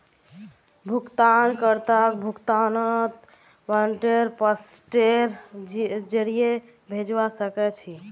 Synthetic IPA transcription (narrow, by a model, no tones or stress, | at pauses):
bʱukt̪ankəɾt̪əkbʱukt̪anət̪ | ʋaɳʈeɾpəsʈeɾ | d͡ʒeɽie | bʱed͡ʒbasəkɛt͡ʃʰi